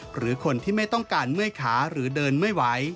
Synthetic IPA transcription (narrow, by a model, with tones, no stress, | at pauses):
ɾɯː˩˦kʰo˧nt̪ʰiː˥˩ma˥˩jt̪ɔ˥˩ŋkaː˧nmɯ˥˩əjkʰaː˩˦ɾɯː˩˦dɤː˧nmɯ˥˩jwa˦˥j